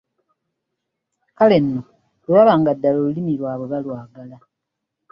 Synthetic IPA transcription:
kale̞nːo | lwaːβaːŋɡadːalolulimilwaːβoβalwaːɡala

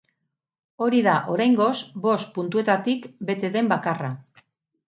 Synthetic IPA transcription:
o̞ɾiðaʔo̞ɾajŋɡo̞sbo̞spunt̪ue̞t̪at̪ikbe̞t̪e̞ðe̞mbakara

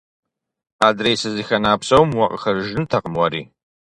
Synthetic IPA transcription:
adrejsɨzixʲanaːpʰsowmwaqʼχarʒnɨtʰaqʼəmwaɾi

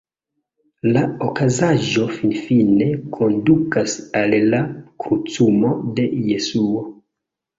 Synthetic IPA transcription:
laokazaʒo̞finfine̞kʰo̞ndukasalːakɾut͡sumo̞de̞jesuo̞

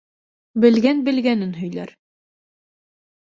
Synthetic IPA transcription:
bɘ̆lɡænbɘ̆lɡænɘnɦɵ̆jlæɾ

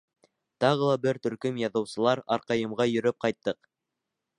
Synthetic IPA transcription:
t̪ɑʁɤlˠɑbɘɾt̪ɵ̆ɾkɵmjɑðɤ̆wsɤ̆lˠɑɾɑ̰ɾqɑjɤ̆mʁɑjɵ̆ɾɘp̚qɑjt̪ːɤq

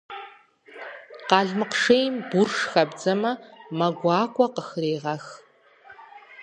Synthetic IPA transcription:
qɑːɮmɨqʂejmbʊrʂxɐbd͡zɐmɐmɐɡʷɑːkʷʼɐqəxreːʁɐx

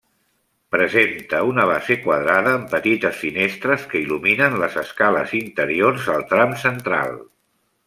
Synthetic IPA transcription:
pɾəzent̪əunəβ̞azekwəðɾaðəːmpət̪it̪əsfinest̪ɾəskəiluminənləzəskalə̰zint̪əɾiorzəlˠt̪ɾamsənt̪ɾa̰lˠ

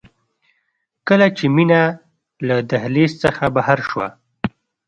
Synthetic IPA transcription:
kəlat͡ʃemina | lad̪aɦlest͡səxabahaɾʃwa̰

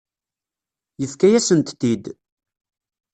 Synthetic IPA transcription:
jəfkæjæsənt̪θid̪

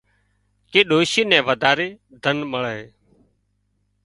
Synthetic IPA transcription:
keːɗoːʃiːnɛ̃ːʋəd̪aːɾeː | d̪ʱənməɭəɦeː

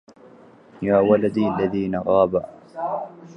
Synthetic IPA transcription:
jaːwalad̪iːʔalːaðiːnaɣɑːba

